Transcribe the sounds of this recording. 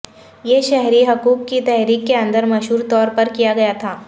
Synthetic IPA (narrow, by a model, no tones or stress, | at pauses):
jeːʃɛɦɾiɦɐkuːkːit̪ɛɦɾiːkːeɐ̃nd̪əɾmɐʃɦuːɾt̪ɔːɾpɐɾkijaɡɐjat̪ʰaː